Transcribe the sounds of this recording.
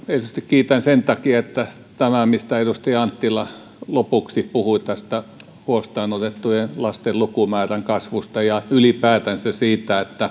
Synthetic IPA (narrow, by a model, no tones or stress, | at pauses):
et̪yst̪ikkiːt̪ænsent̪ɑkiɑet̪ːæ | t̪æmæmist̪æet̪ust̪iɑnt̪ːilɑ | lopuksipuhuit̪æst̪æ | huost̪ɑːnot̪et̪ːujenlɑst̪ellukumæːræŋkɑsʋust̪ɑjɑylipæːt̪ænsesiːt̪æet̪ːæ